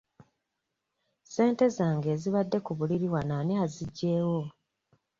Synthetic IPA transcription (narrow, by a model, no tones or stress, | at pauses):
se̞ːnte̞zaːŋɡe̞ːziβadːe̞kuβuliɾiwanaːneaziɟːe̞ːwo̞